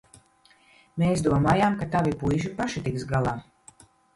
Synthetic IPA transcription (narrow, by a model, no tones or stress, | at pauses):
meːsd̪uɔmaːjaːmkat̪avipujʒ̬iɾpaʃit̪iksɡalˠaː